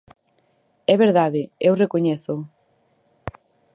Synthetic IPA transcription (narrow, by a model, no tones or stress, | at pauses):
ɛβeɾðaðɪewrekoɲeθʊ